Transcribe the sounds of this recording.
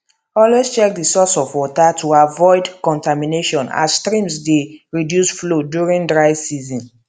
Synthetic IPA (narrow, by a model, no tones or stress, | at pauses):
ɔlwest͡ʃɛk̚disɔsɔvwɔtatʰuavɔɪdkɔ̃ntamineʃɔ̃na̰sstɹĩmsdeɹidjusflodjuɹĩndɹaɪsizɔ̃n